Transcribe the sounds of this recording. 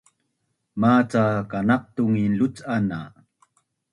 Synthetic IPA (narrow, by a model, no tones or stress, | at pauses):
mat͡sakanaq̚t̪uŋilut͡sana